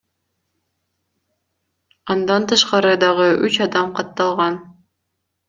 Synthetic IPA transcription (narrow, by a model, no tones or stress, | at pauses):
ɑnd̪ɑnt̪ɯʃqɑɾɯd̪ɑʁɤʔʉt͡ʃɑd̪ɑmqɑt̪ːɑlˠʁɑn